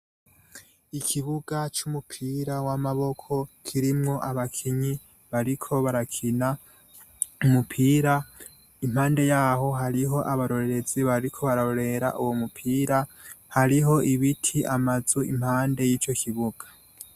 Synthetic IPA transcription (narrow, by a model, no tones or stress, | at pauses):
ikʰiβuɡat͡ʃumupʰiːɾawamaβo̞kʰo̞kʰiɾimŋo̞ʔaβakʰiɲi | βaɾikʰo̞βaɾakʰina | umupʰiːɾa | im̥haːnde̞jaːɦo̞ɦaɾiɦo̞ʔaβaɾo̞ɾe̞ɾe̞ziβaɾikʰo̞βaɾaoɾe̞ɾa̰ʔuwomupʰiːɾahaɾiɦo̞ʔiβitʰiʔamazuḭm̥haːnde̞jiːt͡ʃo̞kʰiβuɡ̥ḁ